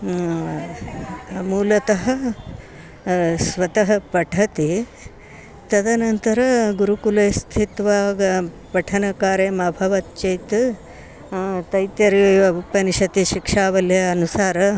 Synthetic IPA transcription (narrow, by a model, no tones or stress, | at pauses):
muːlɐt̪ɐɦɐ̆ | sʋɐt̪ɐɦɐpɐʈʰɐt̪i | t̪ɐd̪ɐnɐnt̪ɐɾɐɡuɾukulɐjst̪ʰit̪ʋaɡ | pɐʈʰɐnɐkaːɾeːmɐbʱɐʋɐt̪t͡ʃejt̪ | t̪ɐjt̪jɐɾiɐupɐniʂɐt̪iʃikʂaːʋɐljɐːnusaːɾɐ